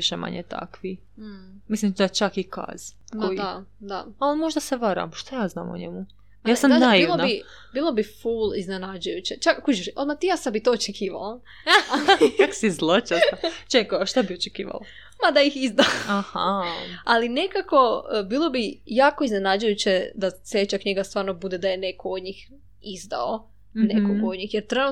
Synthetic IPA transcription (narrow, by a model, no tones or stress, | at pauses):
iʃema̰ɲḛt̪a̰kʋi | mislimd̪at͡ʃakika̰ːzkojid̪ad̪aalimoʒd̪aseʋaɾa̰mʃt̪ajaːzna̰ːmo̰ɲḛmu | aaːsamd̪anajiʋlonai | biːlˠo̞bifulˠiznenad͡ʒujut͡ɕet͡ʃakkuʒeʃod̪mat̪ijasabit̪oːot͡ʃekiːʋa̰lo | alkaksizlˠot͡ʃat̪t͡ʃekaoʃt̪abiot͡ʃekḭːʋa̰la | mad̪ajixizd̪aahaaline̞kako̞biːlˠo̞bijaːko̞izne̞nad͡ʒajut͡ɕed̪ased̪et͡ɕakɲiɡast̪ʋaːɾnobud̪ed̪ajene̞kʰood̪ɲix | izd̪a̰o | nekoɡod̪ɲixjeɾt̪ɾenu